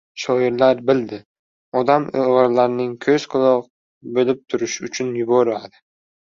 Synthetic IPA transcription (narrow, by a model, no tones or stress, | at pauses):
ʃɒɪɾlaɾbɪld̪ɪ | ɒd̪amoʁɾlaɾɪnɪŋkʲʰɵzqʰʊlˠɒq̚ | belɪp̚t̪ʰʊɾɪʃʊt͡ʃʰʊnjʊbɒɾmad̪ɪ